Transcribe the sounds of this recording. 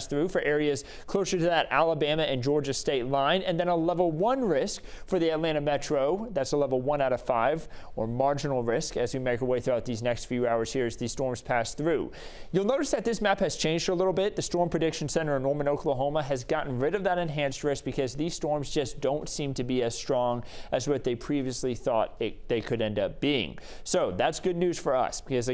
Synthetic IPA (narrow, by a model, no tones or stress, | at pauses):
sθɹʉfə˞ʔɛɹiɨz̥ | kʰl̥oʊsə˞ɾɨðɨɾæ̰lˠəbæ̃mɨɨ̃nd͡ʒɔɹd͡ʒɨsteɪtˡlãɪ̃nɨ̃nðɨ̃ñəlɛvl̩ˠwʌ̃nɹɪskfə˞ðiɨtˡlæ̃ɾ̃ɨmɛt͡ʃɹ̥oʊðætsəlɛvl̩ˠwʌ̃ñaʊɾʌv̥faɪvə˞mɑɹd͡ʒɨnl̩ˠɹɪskɨzwimeɪkəweɪθɹʉaʊt̪̚ðiznɛkstfjʉaʊə˞z̥hiɹɨzðiz̥stɔɹmz̥pʰæsθɹʉjulˠnoʊɾɨsðɨt̪̚ðɪsmæphɨz̥t͡ʃʰẽɪ̃nd͡ʒdəlɪɾl̩ˠbɪt̪̚ðɨstɔɹmpʰɹ̥ɨdɪkʃn̩sɛ̃ɾ̃ə˞ɨnɔɹmɨ̃noʊkʰl̩ˠəɦõʊməɨzɡɑʔn̩ɹɪɾʌvðəɾɨ̃nɦæ̃nst̚ɹɪsk̚b̥ɨkʰʌzðiz̥stɔɹmzd͡ʒʌsd̥õʊ̃ntsĩmtʰɨbiɨz̥stɹ̥ɔ̃ŋʔɨzwʌt̪̚ðeɪpʰɹ̥iviɨsliθɔɾ̚ɪðeɪkʰɨɾɛ̃ndʌp̚b̥iɪ̰̃ŋ | soʊðætsɡ̥ʊdⁿnʉz̥fə˞ʌ̰sb̥ɨkʰʌzɨ